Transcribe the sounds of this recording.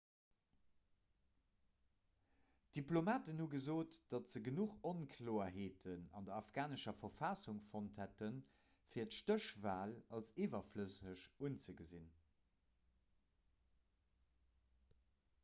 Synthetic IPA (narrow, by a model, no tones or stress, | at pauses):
d̥iplomaːtənhuɡəzoːtd̥ɑtz̥əɡənuχonkʰloːɐɦeːtʰənɑ̰ndɐɑfɡ̥aːnəʃɐfɐfɑsuŋfonthætən | fiːɐtʃtəʃvaːlɑlseːvɐfləsəʃunt͡səɡəzin